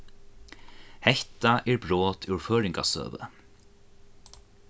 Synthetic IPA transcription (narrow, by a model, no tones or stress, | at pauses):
hɛht̪aʔɛɹbɹoːt̪ʰʉɹføːɹɪŋkasø̰ːʋə̰